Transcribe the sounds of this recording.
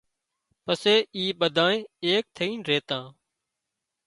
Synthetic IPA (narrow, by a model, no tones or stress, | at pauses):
pəseːiːɓəd̪ʱãːnẽːeːk̚t̪ʰəiːnɾeːt̪ãː